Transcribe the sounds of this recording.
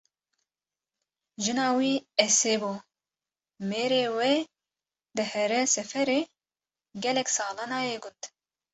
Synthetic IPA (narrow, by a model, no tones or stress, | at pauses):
ʒɨnɑːwiːɛseːbuː | meːɾeːwe | d̪ɨhɛɾɛsɛfɛɾeː | ɡɛlɛksɑːlɑnɑːjeːɡʊnt̪